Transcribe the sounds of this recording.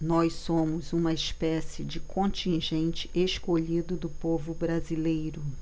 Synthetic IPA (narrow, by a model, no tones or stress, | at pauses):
nɔjssõmʊzũmɐɪspɛsɪd͡ʒɪkʰõt͡ʃĩʒẽnt͡ʃɪ̥ʔeskoʎid̪ʊd̪ʊpovʊbɾazilejɾʊ